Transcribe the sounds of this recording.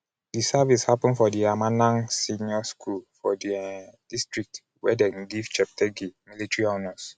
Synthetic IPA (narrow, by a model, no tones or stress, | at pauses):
disavishapɔ̃nfɔdiamanãnsiniɔskʰulfɔdiɛdistɹik̚t | wɛ̰dɛ̃nɡivt͡ʃɛp̚tʰɛɡimilitɹiɔnas